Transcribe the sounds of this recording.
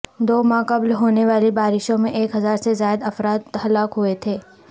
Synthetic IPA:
d̪oːmãːqɐblɦoːneʋaːlibaːɾɪʃõmẽʔeːkɦɐzaːɾsezaːjd̪ɐfɾaːt̪hɐlaːkɦʊet̪ʰeː

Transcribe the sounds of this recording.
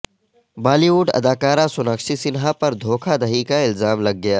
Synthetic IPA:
baːliuːɖɐ̰d̪aːkaːɾasʊnəkʃisɪnɦapɐɾd̪ʱoːkʰad̪ɐɦikaɪlzaːmlɐɡ̚ːɐjaː

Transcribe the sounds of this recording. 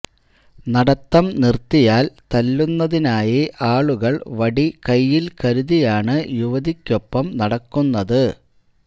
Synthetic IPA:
nɐɽɐt̪ːɐmnirt̪ːijaːlt̪ɐlːunːɐðinaːjiʔaːɭuɣɐɭʋɐɽikɐjːilkɐɾuðijaːɳɨjuʋɐðikʲːo̞pːɐmnɐɽɐkːunːɐðɨ

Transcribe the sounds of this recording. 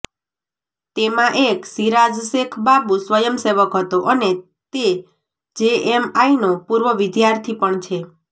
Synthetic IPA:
t̪emãʔeksiɾad͡ʒsekʰbabusʋəjəmseʋəkɦət̪oʔəne | t̪e | d͡ʒeemainopuɾʋəʋid̪jaɾt̪ʰipəɳt͡ʃʰe

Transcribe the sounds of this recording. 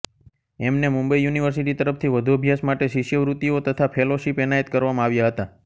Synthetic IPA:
ɛmnemũmbəijuniʋəɾsiʈit̪əɾəpt̪ʰiʋəd̪ʱuəbʱjasmaʈeʃiʃjəʋɾut̪iot̪ət̪ʰapʰeloʃipɛnaət̪kəɾʋamãaʋjaɦət̪a

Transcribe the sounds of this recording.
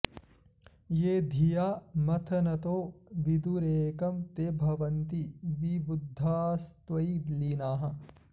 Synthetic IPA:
jeːd̪ʱijaːmɐt̪ʰɐnɐt̪oːʋid̪uɾeːkɐmt̪eːbʱɐʋɐnt̪iʋibud̪ʱːaːst̪ʋɐid̪linaːɦɐ̆

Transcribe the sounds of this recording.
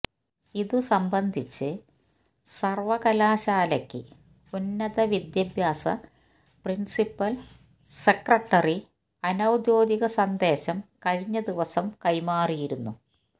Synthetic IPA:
iðusɐmbɐnd̪ʱit͡ɕːɨ | sɐrʋɐɣɐlaːɕaːlɐkʲːɨ | unːɐðɐʋid̪jɐbʱjaːsɐ̰ | prinsipːɐl | sekrɐʈːɐri | ɐnɐwd̪jo̞ːd̪iɣɐsɐnd̪e̞ːɕɐmkɐɻiɲːɐd̪iʋɐsɐmkɐjmaːrijiɾunːu

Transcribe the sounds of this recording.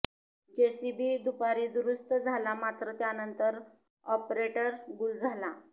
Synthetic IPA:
t͡ɕesibiːd̪upaɾiːd̪ɾust̪əd͡zʱalamat̪ɾət̪janənt̪əɾ | ɔpɾeʈəɾɡuld͡zʱala

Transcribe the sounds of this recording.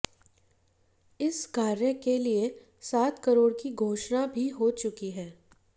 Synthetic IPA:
ɪskaːɾjəkelie | saːt̪kəɾoːɽkiɡʱoːʃnabʱiɦot͡ʃʊkiɦɛː

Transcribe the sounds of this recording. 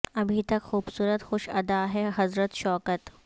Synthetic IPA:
ɐbʱit̪ɐkxuːbsuːɾət̪xʊʃɐd̪aɦɛɦɐzɾət̪ʃɔːkət̪

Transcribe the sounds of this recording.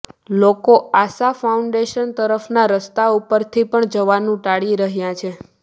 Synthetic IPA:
lokoasafauɳɖeʃənt̪əɾəfnaɾəst̪aupəɾt̪ʰipəɳd͡ʒəʋanũʈaɽiɾəɦjãt͡ʃʰe

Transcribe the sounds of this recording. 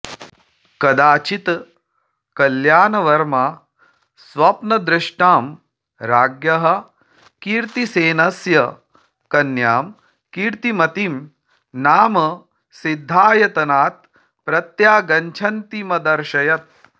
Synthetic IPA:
kɐd̪aːt͡ʃit̪ | kɐljaːnɐʋɐɾma | sʋɐpnɐd̪ɾɪʂʈaːm | ɾaːɡjɐɦɐ | kiːɾt̪iseːnɐsjɐ | kɐnjaːm | kiːɾt̪imɐt̪im | naːmɐ | sid̪ʱːaːjɐt̪ɐnaːt̪̚ | pɾɐt̪jaːɡɐɲt͡ʃʰɐnt̪imɐd̪ɐɾʃɐjɐt̪̚

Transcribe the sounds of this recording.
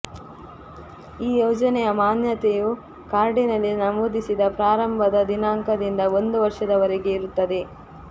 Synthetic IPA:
iːjɔːd͡ʒɐnɛjɐmaːnjɐt̪eju | kaːɾɖinɐlːinɐmoːd̪isid̪ɐpɾaːɾɐmbʱɐd̪ɐd̪inaːŋkɐd̪ind̪ɐo̞nd̪uʋɐɾʂɐd̪ɐʋɐɾeɡe̞iɾut̪ːɐd̪e̞

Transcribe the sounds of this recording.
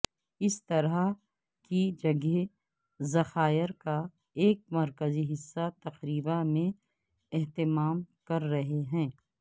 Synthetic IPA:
ɪst̪ɐɾa | kid͡ʒɐɡe | zɐxaːɪɾka | eːk̚mɐɾkəziɦɪsːat̪ɐqɾiːbamẽ | ɛɦt̪ɪmaːmkɐɾːɐɦeɦɛ̃ː

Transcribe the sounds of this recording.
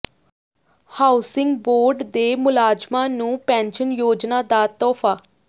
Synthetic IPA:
haːʊsɪŋɡboːɾɖd̪eːmʊlaːd͡ʒmãːnũːpɛ̃ːnʃənjoːd͡ʒnaːd̪aːt̪ɔːpʰaː

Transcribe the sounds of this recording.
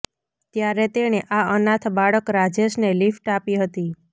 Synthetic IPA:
t̪jaɾet̪eɽ̃eʔaənat̪ʰbaɭəkɾad͡ʒeʃnelifʈapiɦət̪i

